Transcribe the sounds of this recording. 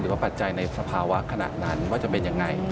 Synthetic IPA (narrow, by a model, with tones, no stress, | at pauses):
ɾɯː˨˩˦waː˥˩pa˨˩t̪̚t͡ɕa˧jna˧jsa˧pʰaː˧wa˦˥kʰa˧na̰˨˩t̪̚na˦˥nwaː˥˩t͡ɕa˨˩pe˧nja˧ŋːa˧j